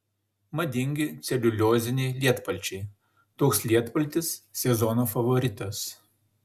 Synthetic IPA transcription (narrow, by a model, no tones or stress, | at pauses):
mɐd̪ʲɪŋʲɡʲɪt̪sʲɛlʲʊlʲoːzʲɪnʲɛɪlʲiɛt̪pɐlʲˑt͡ʃʲɛɪ | t̪oːkslʲiɛt̪pɐlʲt̪ʲɪssʲɛzɔnoːfɐʋɔɾʲɪt̪ɐs